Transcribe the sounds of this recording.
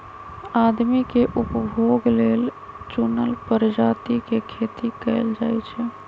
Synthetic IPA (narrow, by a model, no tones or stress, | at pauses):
ad̪mikeʔupbʱoɡlel | t͡ʃunəlpəɾd͡ʒat̪ikekʰet̪ikɛɪld͡ʒajt͡ʃʰɛ